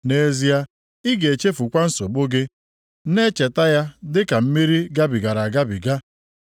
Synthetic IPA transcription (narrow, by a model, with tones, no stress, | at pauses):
ne˨˦zi˦ja˦ | i˦ɡe˨t͡ʃe˦fu˨kʷa˦n̩˦so˨bo˦ɡɪ˦ | ne˦t͡ʃe˨ta˦ja˦dɪ˦ka˨m̩˦mi˦ɾi˦ɡa˦bi˨ɡa˨ɾa˨ɡa˦bi˨ɡa˦